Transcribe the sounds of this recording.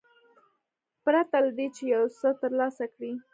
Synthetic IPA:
pɾat̪alad̪et͡ʃejawsət̪əɾlɑsakɽi

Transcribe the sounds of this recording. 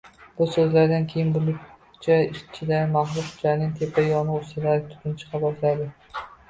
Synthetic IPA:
bʊsɵzlaɾd̪ankʲʰejɪnbʊlˠʊ | t͡ʃʰaɪʃt͡ʃʰɪd̪amaχlˠʊʊd͡ʒanɪŋt̪ʰepʰajɒnɨʊst̪ɪd̪at̪ʰʊ̥t̪ʰɪnt͡ʃʰɨ̥qʰɑbɒt̪lad̪ɪ

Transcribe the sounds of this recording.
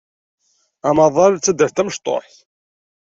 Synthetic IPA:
æmɑðˤɑɾt͡sːæd̪ːəft̪æməʃt̪ˤo̰ɾˤθ

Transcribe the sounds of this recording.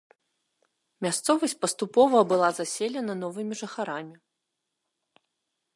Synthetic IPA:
mʲast̪sɔvɐsʲt͡sʲpɐst̪upɔvɐbɨlˠazasʲelʲɛnɐnɔvɨmʲiʐɐxaɾamʲi

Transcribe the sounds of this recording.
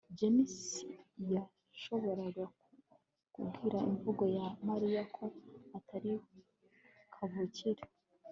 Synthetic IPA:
d͡ʒemisija | ʃo̞βo̞ɾaɡa | kṵbɡiɾaiɱvuɡo̞jamaɾijakʰo̞atʰaɾih | kʰaβuciɾe

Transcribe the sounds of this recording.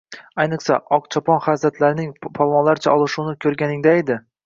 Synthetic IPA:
ajnɨχsaʔɒqt͡ʃʰɒpɒnχazat̪ʰlaɾɪnɪŋpʰɒlˠmɒnlaɾt͡ʃʰaɒlˠɨʃunɪkʲʰɵɾɡʲanɪŋd̪aed̪ɪ

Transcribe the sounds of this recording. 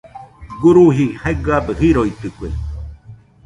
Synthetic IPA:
ɡuɾuɦihaeɡɯabəhiɾoit̪ɨkwḛ

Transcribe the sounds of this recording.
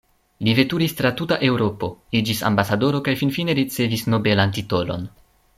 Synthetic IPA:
live̞tuɾist̪ɾatutaʔe̞wɾo̞po̞id͡ʒisa̰mbasado̞ɾo̞kajfinfine̞ɾit͡se̞visno̞be̞lant̬ito̞lo̞̰n

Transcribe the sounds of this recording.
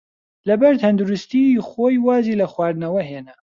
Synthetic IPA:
lɐbɐɾt̪ʰɐnd̪uɾɨst̪ixoːjwaːziːlɐxwaːɾnɐwɐɦeːnɐ

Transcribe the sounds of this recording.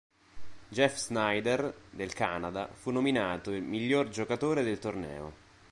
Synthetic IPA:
d͡ʒɛfznajd̪erd̪elka̰nad̪a̰funːominaːt̪oilmiʎːord͡ʒokat̪oːɾed̪elt̪ornɛ̰ːo̰

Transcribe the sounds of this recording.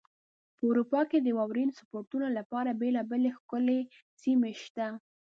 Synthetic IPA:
pəuɾupɑked̪əwɑwɾinsḁpoɾt̪unalapɑɾabelɑbelexkʊle | simeʃt̪a

